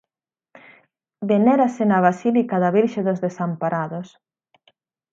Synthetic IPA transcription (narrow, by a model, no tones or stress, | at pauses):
beneɾasenɐβ̞asilikaðaβiɾʃeðozðesampaɾaðos